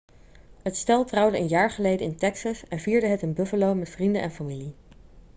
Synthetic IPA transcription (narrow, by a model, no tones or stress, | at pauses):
ɦətstɛlˠtrʌwdəənjaːɹχəlejdəɪntɛksɑsɛnviːɹdəɦətɪnbɵfəlowmɛtfrindənʔɛ̰nfamili